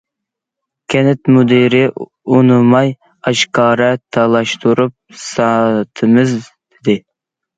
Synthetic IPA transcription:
kʲʰɛnɛt̪mud̪iɾɪ | unɨmɑj | ɑʃkʰɑːɾɛt̪ʰɑlˠɑʃt̪ʰuɾup̚sɑt̪ʰɨmɨzd̪ɪd̪ɪ

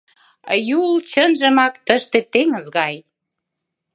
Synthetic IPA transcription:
jult͡ɕənʒə̆mɑkt̪əʃt̪et̪eŋəzɣɑj

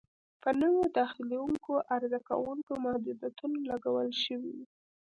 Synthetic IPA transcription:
pənəwod̪ɑxilewuŋkoʔaɾzaka̰wuŋkomahd̪ud̪at̪unolaɡawəlʃəwḭwi

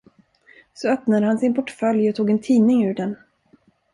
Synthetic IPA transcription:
sɔœpnad̪əhansɪnpʰɔʈfœljɔt̪ʰuːɡɛnt̪ʰiːnɪŋʉ̟ːɖɛn

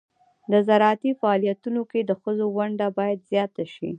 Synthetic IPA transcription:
d̪əzaɾɑat̪ifaːlijat̪unoked̪əxəzowaɳɖabɑjad̪zjɑt̪aʃi

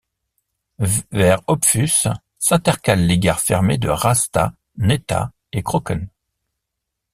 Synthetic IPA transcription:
vɛʁɔpfys | sɛ̃t̪ɛʁkʲalːeɡʲaʁfɛʁmed̪ə̰ʁast̪a̰ | net̪a̰ | ekχɔkɔn

